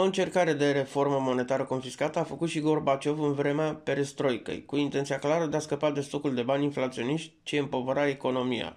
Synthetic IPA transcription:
o̞ɨnt͡ʃe̞rkaɾe̞d̪e̞ɾe̞fo̞rməmo̞ne̞t̪aɾəko̞nfiskat̪əafəkut̪ʃiɡo̞rbat͡ʃo̞vɨnvɾe̞meape̞ɾest̪ɾo̞jkə̰jkuint̪ent̪sijaklaɾəd̪e̞askəpatd̪e̞st̪o̞kuld̪e̞banʲinflat̪sio̞niʃt̪ʲt͡ʃiəmpo̞vəɾae̞ko̞no̞mija̰

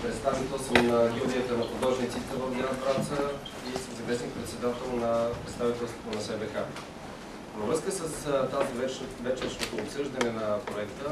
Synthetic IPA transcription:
pɾɛt̪st̪avit̪ɛlˠsəmnəɡʲuliət̪ənɐxud̪ɔʒnit̪sit̪əvəvd̪anəpɾasə | isəmzɐmɛsnik̚pɾɛt̪sɛd̪at̪ɛlˠnɐpɾɛt̪st̪avit̪ɛlˠst̪vot̪onɐsɛbɛxa | vəvɾɤskəsəst̪azivɛvɛt͡ʃɛɾʃnot̪oːpsɤʒd̪ɐnɛnɐpɾoɛkt̪ə

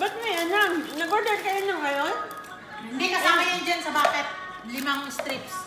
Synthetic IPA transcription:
bɐt̪̚mɐjɐnamnɐɡoɹd̪ɛɾkɐjonlɐŋːɐjon | hɪd̪ikɐsaːmɐjɪnd͡ʒansɐbaːt̪ɛt̪̚ | lɪmaŋst̪ɾips

